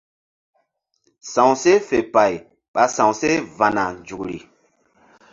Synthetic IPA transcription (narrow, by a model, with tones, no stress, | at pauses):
sã˨wse˦fe˨pa˨j | ɓa˨sã˨wse˦va˨na˨nd͡ʒu˨kɾḭ˨